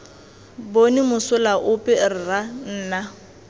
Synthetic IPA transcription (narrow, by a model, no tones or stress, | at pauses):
bonimʊsʊlaʔʊpʼɪrɪran̩ːna